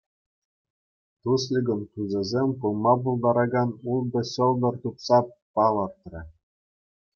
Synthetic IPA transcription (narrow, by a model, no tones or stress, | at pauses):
t̪uslʲiɡɤ̆mt̪uzʲɘ̆zʲemʲpɯlˠmɑpulˠd̪ɑɾɑɡɑnulˠd̪ɤ̆ɕɤ̆ld̪ɤ̆rt̪upsɑpɑlˠɤ̆rt̪rʲɘ̆